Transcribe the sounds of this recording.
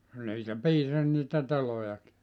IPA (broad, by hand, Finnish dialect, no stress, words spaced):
niːtæ piːsɑs niːtæ telojɑki